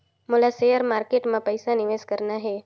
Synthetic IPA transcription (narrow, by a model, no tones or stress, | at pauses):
mʊlasejəɾmaːɾkeʈmãpəjsanɪʋeskəɾnaɦe